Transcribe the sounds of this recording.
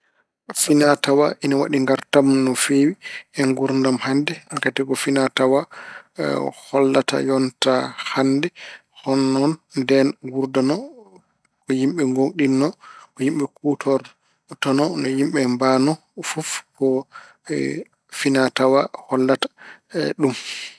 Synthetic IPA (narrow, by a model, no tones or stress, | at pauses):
finatawaʔinawa̰ɗiŋɡaɾtamnɔfewiɛŋɡuɾndamhandɛkatɛɡɔfinatawa | hɔlːata̰jɔntahandɛ | hɔnːɔnndɛnɡuɾdanɔ | kɔjimɓɛŋɡoŋɗinːɔkɔjimɓɛkutʰɔɾ | tɔnɔnɔjimɓɛmbanɔ | fufkɔ̰ | finatawahɔlːatḁɗum